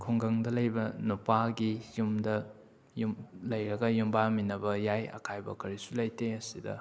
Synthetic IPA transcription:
kʰuŋɡɐŋdɐlɐjbɐnupaɡijumdɐ | jumlɐjɾɐɡɐjumbaminɐbɐjajɐ̰kʰajbɐ̰kʰɐɾisulɐjteɐsidɐ̰

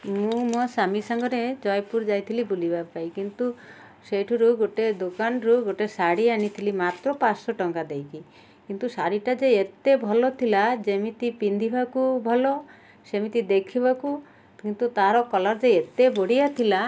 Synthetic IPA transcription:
mũmɔsamisɔŋɡɔɾed͡ʒɔjpuɾd͡ʒajt̪ʰilibulibapajkint̪u | sejʈʰuɾuɡoʈed̪okanɾuɡoʈesaɽianit̪ʰilimat̪ɾɔpasɔʈɔŋɡad̪ejki | kint̪usaɾiʈad͡ʒeet̪ebʱɔlɔt̪ʰilad͡ʒemit̪ipind̪ʱibakubʱɔlɔ | semit̪id̪ekʰibaku | kint̪ut̪aɾɔkɔlɔɾd͡ʒeet̪eboɽijat̪ʰila

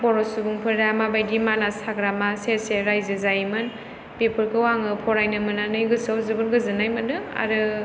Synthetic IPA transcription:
bɔɾɔsubuŋpʰɯɾdamabajdimalasaɡɾamaseseɾajzɯzajmɯn | pepʰɯɾkɯwaŋɯpʰɔɾajnɯmɯnanɯjɡɯsɯwzɯbɯnɡɯzɯnajmɯnɯa̰ɾɯ

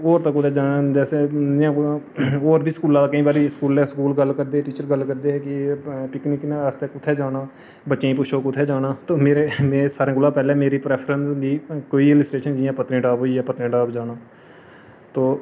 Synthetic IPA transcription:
oːɾt̪əkːʊt̪ʰɛːd͡ʒaːnaːd͡ʒɛːseãː | oːɾbʱiːskuːlãːd̪aːkəĩːbaːɾiskuːlɛːskuːlɡəlkəɾd̪eːɛʈiːt͡ʃəɾɡəlkəɾd̪eːɛːkɪpɪknɪknẽːəst̪əkʊt̪ʰːɛːd͡ʒaːnaː | bətːʃẽĩːpʊʃõːkʊt̪ʰːɛːd͡ʒaːnãːt̪oːmeːɾemeːsaːɾẽːɡʊlãːpɛːleːmeːɾiːpɾɛːpʰɾənsd̪iːkoːiːɪlɪsʈɾeːʃənd͡ʒɪjãːpət̪ɾẽːɖaːbɦoːiːaːpət̪ɾẽːɖaːbd͡ʒaːnaː | t̪oː

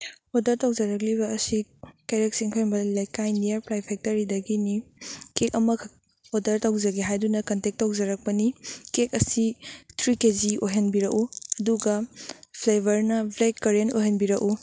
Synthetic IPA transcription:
odɐɾtawd͡ʒɐɾɐk̬̚liβɐːsikejɾek̚siŋkʰojmbɐlajkajnijɐɾpɾajpʰek̚tɐɾidɐɡinikekɐmɐk | odɐɾtawzɐɡiɦajdunɐkɐntek̚tːawzɐɾɐk̚pɐnikek̚ɐsitʰɾikezioɦɐnbiɾɐkuɐduɡɐpʰlebɐɾnɐblekːɐɾentojɦɐnbiɾɐku

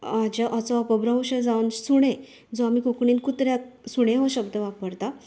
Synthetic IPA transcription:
ad͡ʑaʔat͡sɔəpəbɾaw̃ɕed͡zawnsuɽ̃ẽ | d͡zɔamiːkukɳiːnkut̪ɾjasuɽ̃ẽɦɔ̃ɕəbd̪əʋak̚pəɾt̪a

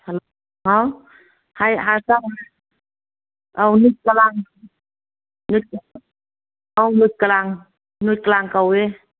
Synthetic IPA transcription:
hal | haw | hajɦasawa | ʔawnut̪̚kalaŋ | nɯt̪̚ka | ʔawnɯt̪̚kalaŋ | nut̪̚kalaŋkawe

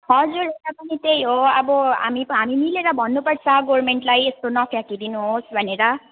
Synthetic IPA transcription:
ɦʌd͡zuɾetapʌnit̪ejɦoʌbʌɦa̰mipɦamimileɾʌbʱʌnːupʌɽt͡sʰʌ̃ɡormeɳʈlajest̪onʌpʰjakid̪inuɦosbʱʌneɾʌ

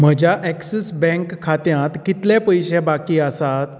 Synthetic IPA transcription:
m̤əd͡ʑaʔɛksesbɛ̃ŋkʰːat̪jãt̪kit̪ljapəjɕɛbakiːəsat̪

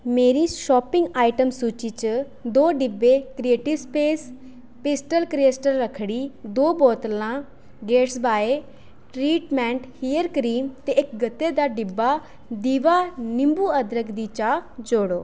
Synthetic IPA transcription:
meːɾiːʃɔːpɪ̃ŋɡaːiʈəmsuːt͡ʃiːt͡ʃə | d̪oːɖɪbːeːkɾieːʈɪʋspeːs | pɪsʈəlkɾɪeːsʈəɾːəkʰɽiːd̪oːbɔːt̪lãː | ɡeːʈsbaːeː | ʈɾiːʈmɛ̃ːɳʈhiːəɾkɾiːmt̪eːɪkɡət̪ːeːd̪aːɖɪbːaː | d̪iːʋaːnɪmbuːəd̪ɾəkd̪iːt͡ʃaːd͡ʒoːɽoː

